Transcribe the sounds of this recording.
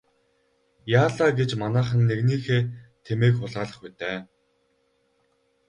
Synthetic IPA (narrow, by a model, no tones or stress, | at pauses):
jaːɮaːɡet͡ɕmanæːχə̆nːeɣniːxeːt̪ʰemeːkχʊɮaːɮə̆χput̪eː